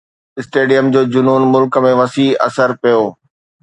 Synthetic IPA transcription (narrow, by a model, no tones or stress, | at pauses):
ɪsʈeːɖijəmd͡ʑoːd͡ʑʊnuːnmʊlkmẽʋɐsiːɐ̰səɾpijoː